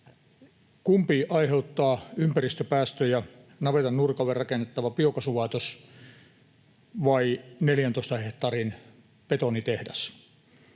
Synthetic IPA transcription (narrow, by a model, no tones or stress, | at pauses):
kumpiʔɑiheut̪ːɑːympærist̪øpæːst̪øjɑnɑʋet̪ɑnnurkɑʋerrɑkenːet̪ːɑʋɑpiokɑsuʋɑˑet̪os | ʋɑineljænt̪oˑist̪ɑheht̪ɑːrin | pet̪onit̪ehdæs